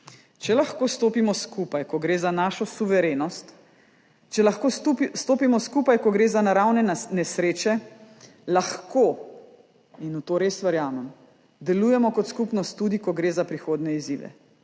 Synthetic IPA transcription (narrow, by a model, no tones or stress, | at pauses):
t͡ʃɛlaxkoːst̪oːpimɔskupajkɔɡɾeːzanaːʃɔsuʋɛɾeːnɔst̪ | t͡ʃɛlaxkopst̪oːpimɔskupajkɔɡɾeːzanaɾawnɛnɛsɾeːt͡ʃɛ | laxko | inut̪oːɾeːsʋɐɾjaːmɛm | d̪ɛluːjɛmɔkɔt̪skupnɔst̪ːuːd̪ikɔɡɾeːzapɾixoːd̪nɛizḭːʋɛ̰